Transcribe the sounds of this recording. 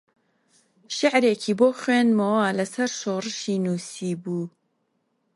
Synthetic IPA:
ʃɪʕɾeːkʰiːboːxweːnmɐwaːlɐsɐɾʃoːrɨʃiːnuːsiːbuː

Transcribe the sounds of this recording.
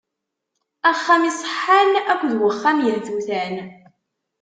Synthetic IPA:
æχːamisˤə̥ħːanækʷːðwəχːamjəlθuθæn

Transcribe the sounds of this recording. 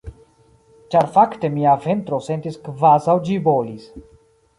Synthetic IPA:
t͡ʃaɾfakte̞miave̞nt̪ɾo̞se̞ntiskvazawd͡ʒibo̞lis

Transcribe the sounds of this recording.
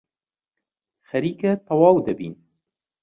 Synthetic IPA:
xɐɾiːkɛt̪ɐwɑːwd̪ɐbḭːn

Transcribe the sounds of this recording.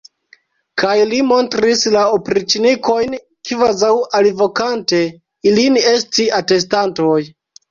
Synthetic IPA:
kʰajlimo̞ntɾislaopɾit͡ʃiniko̞jn | kivazawalvo̞kante̞ | iline̞stiate̞s̬tantoj

